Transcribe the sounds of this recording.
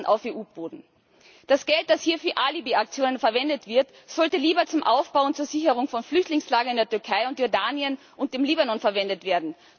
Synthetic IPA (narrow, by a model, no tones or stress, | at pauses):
nʔa̰ʊfeːʔuːboːdn̩ | d̥asɡ̥ɛlt̚d̥ashiːɐfyːɐʔalibeak̚t͡sjoːnənfɛɐvɛndətv̥ɪɐt | z̥ɔltəliːbɐt͡sʊmʔa̰ʊfb̥aʊʊntt͡suːɐzɪçəʁ̞ʊŋfɔnflʏçtlɪŋslaːɡɐɪndeːɐtʏɐkʰaɪʊntjɔɐdaːnjən | ʔʊnt̚d̥eːmliːbanɔnfɛɐvɛndətv̥eːɐdn̩